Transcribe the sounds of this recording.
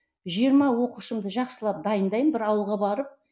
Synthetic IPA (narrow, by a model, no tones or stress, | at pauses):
ʒijəɾmɑwo̞quʃəmd̪əʒɑqsəlˠɑp̚d̪ɑjənd̪ɑjəmbɪɾɑwəlˠʁɑbɑɾəp̚